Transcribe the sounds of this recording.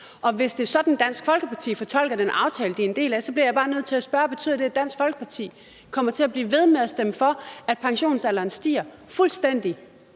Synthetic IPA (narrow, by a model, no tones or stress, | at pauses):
ʔɒ̽ʋe̝sd̥e̝ɐsɒ̽d̥n̩d̥æn̰sɡ̥fɒ̽lɡ̥əpʰɑ̈t͡sʰḭːfɒ̽t͡sʰɒ̽l̰ɡ̥ɐd̥enʔɑ̈ʊt͡sʰɛːləd̥iend̥e̝̰ːlæsɒ̽b̥liɐjɑ̈b̥ɑ̈ːnøð̞̰ˠt͡sʰe̝æsb̥ɶːɐɒbe̝t͡sʰyð̰ˠd̥e̝æd̥æn̰sɡ̥fɒ̽lɡ̥ə̥pʰɑ̈t͡sʰḭː | kʰɒ̽m̰ɐt͡sʰe̝æb̥liːʋe̝ð̞ˠmeðˠæsd̥emfɒ̽æd̥̚pʰɑ̈ŋɕo̝̰ːnsælɐːnsd̥ḭːɐ | fulsd̥en̰d̥i